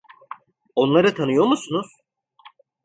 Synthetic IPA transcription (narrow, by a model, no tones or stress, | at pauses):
o̞nlˠaɾɯt̪ʰanɯjo̞ɾmusunuz̥